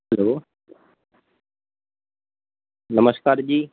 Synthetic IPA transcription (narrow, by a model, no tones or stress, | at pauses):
ɐloː | nəməskaːɾd͡ʑiː